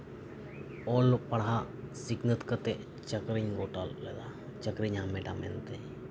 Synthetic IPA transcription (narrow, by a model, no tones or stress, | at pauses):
olpəɽɦa | sɪknət̪kət̪e | t͡ʃəkɾiɲɡoːʈalːḛːd̪at͡ʃəkɾiɲameʈa̰mḛnt̪e